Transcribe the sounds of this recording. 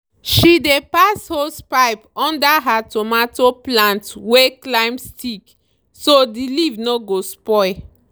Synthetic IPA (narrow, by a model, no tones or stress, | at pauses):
ʃidepashospaɪpɔ̃ndaɦatɔmatoplãntweklãɪ̃mstʰik | sodilivnoɡospɔɪ